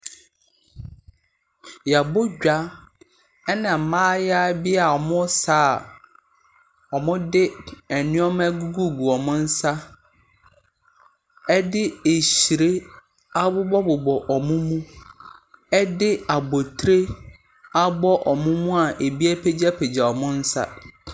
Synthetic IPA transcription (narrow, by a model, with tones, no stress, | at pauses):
ja˨bʊ˦ɟᶣa˦ | ɛ˦nã˨mãː˦ja˦bɪ˦a˨ɔ˨mʊ̃˦saː˦˨ | ɔ˨mʊ̃˦dɪ˦ɛ˨nʊ̃˦ɔ˦mɛ̃˦ɡu˦ɡu˦˨ɡu˨ɔ˨mʊ̃˦n̩˦sa˦ | ɛ˦dɪ˦e˨ɕi˨ɾe˦ | a˦bʊ˦bɔ˦bʊ˨bɔ˨ʔɔ˨mʊ̃˦mũ˦ | ɛ˦dɪ˦a˨bɔ˨tʰɾe˦ | a˦bɔ˦ʔɔ˨mʊ̃˦mũ˦a˨ʔe˨bi˦ɛ˦pʰe˦d͡ʑa˦pʰe˨d͡ʑa˨ɔ˨mʊ̃˦n̩˦sa̰˦